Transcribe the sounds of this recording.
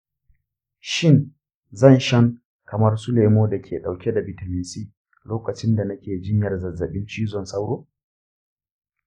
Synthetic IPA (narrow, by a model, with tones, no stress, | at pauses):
ʃɪ˦n | zɐ˦˨nʃɐ˦ŋ | kɐ˨mɐ˦rsu˦leː˨moː˦da˨kʲʰḛː˨ɗa˨wkʲɛ˦da˨bɪ˨tɐ˨mɪ˨siː˦ | loː˦kɐ˨t͡ʃɪ˦nda˨nɐ˦kʲeː˨d͡ʒɪ˦ɲjɐ˨rzɐ˨zːɐ˨ɓɪ˦nt͡ʃiː˦zɔ˨nsa˦wɽoː˦